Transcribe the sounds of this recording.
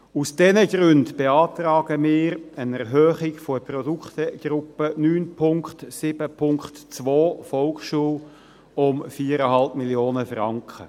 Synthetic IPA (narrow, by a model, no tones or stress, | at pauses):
usd̥ɛnəɡɾʏndb̥eɑːtɾɑːɡ̥əmɪːɾənɛʁɦøːχɪɡfoprɔdukχt̪əɡ̥ɾʊpənyːnpʰʊŋkχtsɪbəpʰʊŋkχtt͡sʋoːfɔlkʃuːl | ʊmfiːəɾəɦɑlpmiljoːnəfrɑŋkχə̰